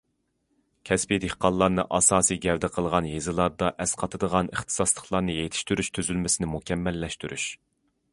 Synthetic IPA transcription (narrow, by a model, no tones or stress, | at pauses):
kʲʰɛspid̪ehqɑlˠːɑɾnɨʔɑsɑːsiɡʲɛvd̪ɛqʰəlˠʁɑnjezɨlˠɑɾd̪ɑʔɛsqʰɑt̪ʰɨd̪əʁɑnəχt̪ʰɨ̥sɑslˠəχlˠɑɾnɨjejt̪ʰi̥ʃt̪yɾyʃt̪ʰyzylmɪsɪnɪmukʲʰɛmːɛlːɛʃt̪yɾʔy̰ʃ